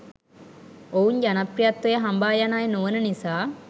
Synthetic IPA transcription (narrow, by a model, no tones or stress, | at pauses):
ouɲd͡ʒɐnɐprijat̪wɐjɐɦɐmbaːjanaːjnoʋɐnɐnisaː